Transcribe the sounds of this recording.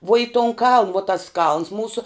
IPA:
ʋuɔ ɪ tʊn kɐlˠn ʋoː tɐs kɐlˠns ˈmuːsoː

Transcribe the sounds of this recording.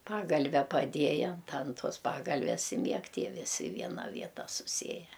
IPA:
ˈpɑːɡɐlʲʋʲɛ pɐˈdʲiɛjɛ ɐnt ɐn ˈtuɔs pɐˈɡɐlʲʋʲɛs ɪ ˈmʲiɛk ˈtʲiɛ ʋʲɪˈsʲɪ ɪ ˈʋʲiɛnɐ ˈʋʲiɛtɐ sʊˈsʲiɛjɛ

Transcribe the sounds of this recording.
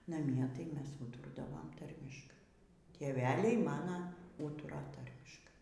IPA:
nɐˈmʲiɛ tɐɪ ˈmʲɛs ˈuːtoːrdɐʋoːm ˈtɐrʲmʲɪʃkɐɪ tʲeːˈʋʲæːlʲɛɪ ˈmɑːnɐ ˈuːtʊrɐ ˈtɐrʲmʲɪʃkɐɪ

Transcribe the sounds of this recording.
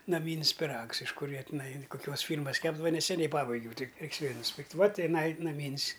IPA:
nɐˈmʲiːnʲsʲ pʲɪˈrɐks ɪʃ ˈkʊr ˈjiɛ tʲɪˈnɐɪ koːˈkʲuɔs ˈfʲiːrmɐs ˈkʲæːbdɐʋɐ nʲɛsʲɛˈnʲɛɪ ˈpɑːbɐɪɡʲɛʊ ˈtʲɪk ˈrʲɛɪks ˈʋʲeːlʲ nʊsʲˈpʲɪrktʲ ˈʋɐ tʲɪˈnɐɪ nɐˈmʲiːnʲsʲ

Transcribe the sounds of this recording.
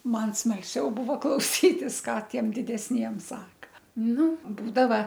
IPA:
ˈmɐn smɐlʲˈsʲɛʊ ˈbʊʋoː klˠɐʊˈsʲiːtʲɪs ˈkɑː ˈtʲiɛm dʲɪdʲɛsʲˈnʲiɛm ˈsɑːkɐ ˈnʊ ˈbuːdɐʋɐ

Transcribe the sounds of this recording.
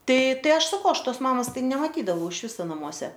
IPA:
ˈtɐɪ ˈtɐɪ ˈɐʃ sɐˈkɐʊ ˈɐʃ ˈtoːs ˈmɑːmoːs ˈtɐɪ nʲɛmɐˈtʲiːdɐʋɐʊ ɪʃ ˈʋʲɪsoː nɐˈmuɔsʲɛ

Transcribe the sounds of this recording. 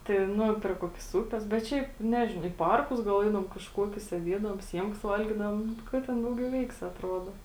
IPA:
tɐɪ ˈnʊ pʲrʲɪ ˈkuɔkʲɪs ˈuːpʲɛs bʲɛt ˈʃʲɛɪp ˈnʲæːʒʲɪnɐʊ iː ˈpɐrkʊs ɡɐlˠ ˈɛɪdɐʋoːm kɐʃˈkuɔkʲʊs sʲeːˈdʲiɛdɐʋoːm ˈsʲiɛmkɐs ˈʋɐlʲɡʲɪdɐʋoːm ˈkɐ tʲɛn ˈdɐʊˌɡʲɛʊ ˈʋʲɛɪksʲɪ ɐtˈroːdoː

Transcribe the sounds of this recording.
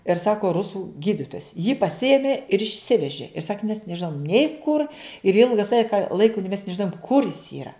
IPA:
ɪr ˈsɑːkoː ˈrʊsuː ˈɡʲiːdʲɪtoːjɛs jiː pɐˈsʲɪeːmʲeː ɪr ɪʃʲˈsʲɪʋʲɛʒʲɪ ɪr sɐk mʲɛs nʲɛˈʒʲɪnoːm nʲɛɪ kʊr ɪr ˈɪlˠɡɐ ˈsɑːkʲɪ kɐ ˈlˠɐɪkoː mʲɛs nʲɛʒʲɪˈnoːjʊm ˈkʊr jɪs ˈiːrɐ

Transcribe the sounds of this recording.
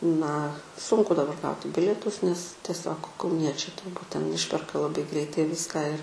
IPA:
nɐ ˈsʊŋkʊ dɐˈbɐr ˈɡɐʊtʲɪ ˈbʲɪlʲiɛtʊs nʲɛs tʲiɛˈsʲoːk kɐʊˈnʲiɛt͡ʃʲɛɪ tʊrˈbuːt tʲɛn ˈɪʃʲpʲɛrkɐ lˠɐˈbɐɪ ˈɡrʲɛɪtɐɪ ˈʋʲɪskɑː ɪr

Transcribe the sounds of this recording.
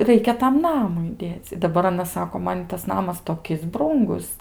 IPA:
ˈrɐɪkʲɛ tɐm ˈnɑːmʊɪ ˈdʲeːt͡sʲ dɐˈbɐr ɐˈnɐs ˈsɑːkoː ˈmɐn ˈɪtɐs ˈnɑːmɐs toːˈkʲɪs ˈbruːŋɡʊs

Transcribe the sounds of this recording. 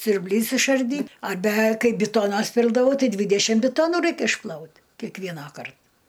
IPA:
sʲʊrʲbʲˈlʲiːs ɪʃɐrʲˈdʲiːt ɐrʲˈbʲɛ ˈkɐɪ bʲɪˈtoːnɐs ˈpʲɪlˠdɐʋɐʊ ˈtɐɪ ˈdʲʋʲɪdʲɛʃʲɪm bʲɪˈtoːnʊ ˈrɐɪk ɪʃˈplˠɐʊt kʲɛkˈʋʲiɛnɑːkɐrt

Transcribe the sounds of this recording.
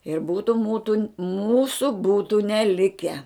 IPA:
ɪr ˈbuːtʊ ˈmuːtʊ ˈmuːsʊ ˈbuːtʊ nʲɛˈlʲɪkʲɛ

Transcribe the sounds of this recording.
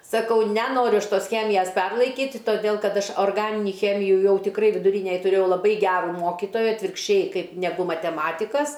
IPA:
sɐˈkɐʊ nʲɛˈnoːrʲʊ ˈɐʃ ˈtoːs ˈxʲæːmʲɪjɛs ˈpʲɛrlˠɐɪkʲiːtʲɪ toːˈdʲeːlˠ ˈkɐt ˈɐʃ oːrˈɡɑːnʲɪnʲɪ ˈxʲæːmʲɪjʊ ˈjɛʊ tʲɪˈkrɐɪ ʋʲɪdʊˈrʲiːnʲɛj tʊˈrʲeːjɛʊ lˠɐˈbɐɪ ˈɡʲæːrʊ ˈmoːkʲɪtoːjɛ ɐtʲʋʲɪrkʃʲˈt͡ʃʲɛɪ ˈkɐɪp nʲɛˈɡʊ mɐtʲɛˈmɑːtʲɪkɐs

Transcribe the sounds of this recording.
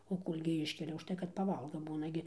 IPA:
oː ˈkoːlʲɡʲɪ ˈɪʃʲkʲɛlʲɛ ʊʃˈtɐɪ kɐt ˈpɑːˈʋɐlˠɡɐ ˈbuːnɐ ɡʲɪ

